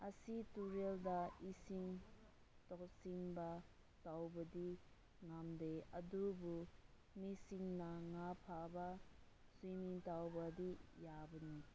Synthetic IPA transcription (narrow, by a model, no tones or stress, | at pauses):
ɐsituɾeldɐisiŋ | tɔksiŋbɐ | tawbɐdi | ŋamdeɐdubu | misiŋnɐŋapʰabɐ | simiŋtawbɐdijabɐni